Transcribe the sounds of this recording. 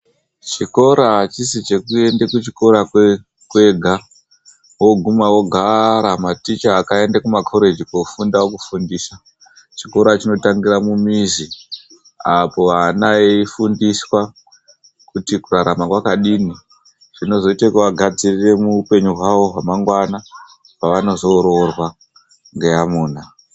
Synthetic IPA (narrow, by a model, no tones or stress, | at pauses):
t͡ʃiko̞ɾat͡ʃisit͡ʃe̞kue̞ndekut͡ʃiko̞ɾa | kwe̞ɡʱa | wo̞ɡʱumawo̞ɡʱaɾamatit͡ʃaːkae̞ndakumakʰo̞ɾe̞d͡ʒikofundawokufundiːsa | t͡ʃiko̞ɾat͡ʃino̞taŋɡiɾamumizi | apo̞ʋanaeifundiswa | kutikuraɾamakwakaɗiːni | ʐ̥ino̞zo̞itakuʋaɡʱad͡zirire̞muupe̞ɲuɦwaʋo̞ɦwamaŋɡwana | paʋano̞zo̞ɾorwa | ŋɡe̞amuːna